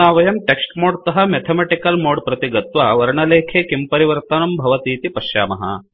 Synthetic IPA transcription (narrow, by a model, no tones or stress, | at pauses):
aːʋɐjɐmʈeksʈmoːɖt̪ɐɦɐmet̪ʰɐmeʈikɐlmoːɖpɾɐt̪iɡɐt̪ʋɐʋɐɾɳɐleːkʰeːkimpɐɾiʋɐɾt̪ɐnɐmbʱɐʋɐt̪iːt̪ipɐʃja̰ːmɐɦɐ̰